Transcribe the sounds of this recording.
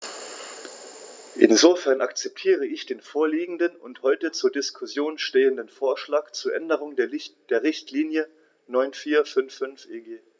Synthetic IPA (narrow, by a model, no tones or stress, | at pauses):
ʔɪ̰nzofɛɐnʔakt͡sɛp̚tʰiːʁəɪçd̥eːnfoːɐliːɡŋ̩dənʊnthɔʏtət͡suːɐdɪskʰʊsjoːnʃteːəndənfoːɐʃlaːkt͡suːɐʔɛndəʁ̞ʊŋdd̥eːɐʁɪçtʰliːnjə | nɔʏnfiːɐfʏnfʏnfʔeɡeː